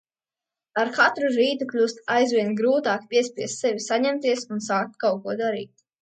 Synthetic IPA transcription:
aɾkat̪ɾuɾiːt̪uklʲust̪ajzʋʲiɛnɡɾuːt̪aːkpʲiɛspʲiɛssɛvʲisaɲɛmt̪iɛsunsaːk̚t̪̚kawkuɔd̪aɾḭːt̪̚

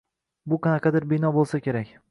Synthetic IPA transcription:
bʊqʰɑnɑqʰɑd̪ɪɾbɪnɒbolˠsakʲe̞ɾakʲ

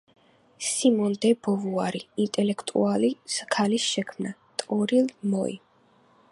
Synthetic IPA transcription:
simɔnd̪ɛbɔvuaɾiːnt̪ʼɛlɛkʰt̪ʼṵaliskʰalisʃɛkʰmnat̪ʼɔɾilˠmɔ̰ḭ

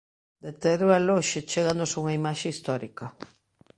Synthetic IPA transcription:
d̪et̪eɾaloʃet͡ʃeɣand̪osuŋaimaʃeist̪ɔɾikɐ

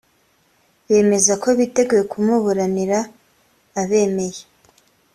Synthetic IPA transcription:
βe̞ːme̞zako̞βite̞ɡuje̞kʰumuβuɾaniɾaː | βe̞ːme̞je

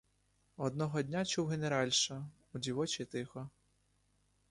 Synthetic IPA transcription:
ɔd̪̚nɔɦɔd̪ʲnʲat͡ʃuwɣeneɾɑlʲʃɐ | udʲiwɔt͡ʃit̪ɪxɔ

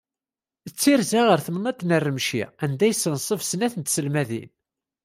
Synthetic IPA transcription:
ət͡sːiɾzaʁəɾθmənɑt̪ːnərːəmʃḭænd̪æjsənsˤəvsnæθənt̪səlmæðḭn

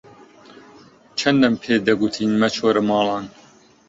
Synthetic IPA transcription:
t͡ʃʰɐnd̪ɐmpʰeːd̪ɐɡut̪ʰiːnmɐt͡ʃʰoːɾɨmɑːlˠɑːn

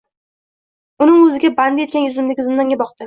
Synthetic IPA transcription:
ʊnɪŋɵzɪɡʲaband̪ɪjet̪kʲanjʊzɪmd̪aɡʲɪzɪmd̪anɡʲabɒqt̪ɪ

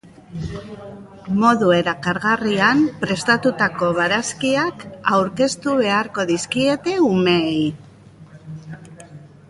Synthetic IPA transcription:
mo̞ðue̞ɾakaɾɣariampɾe̞st̪at̪ut̪ako̞βaɾaskiakawɾke̞st̪uβe̞aɾko̞ðiskie̞t̪e̞ume̞ːj

